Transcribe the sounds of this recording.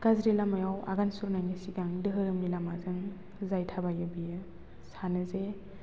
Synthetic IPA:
ɡazɾilamajawa̰ɡansuɾnanisiɡaŋdɯɦɯɾɯmnilamazɯŋ | zajtʰabajɯbijɯ | sanɯze

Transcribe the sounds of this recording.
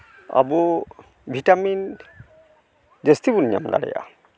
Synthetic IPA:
a̰bu | bʱitamin | zestibunja̰mda̰ɽɛ̰ja̰

